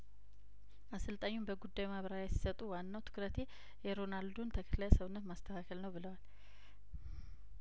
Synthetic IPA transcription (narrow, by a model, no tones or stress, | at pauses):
ʔasɨlt̪ʼaɲːumbəɡud̪ːajmaβɾaɾajɛsi̥sət̪ʼuwanːawt̪ʰɨ̥kɾət̪ʰe̞ | jɛɾo̞nald̪unt̪ʰəkʰə̥klajsəβɨnːət̪mast̪ʰəkʰakʰəlnəwbɨləwal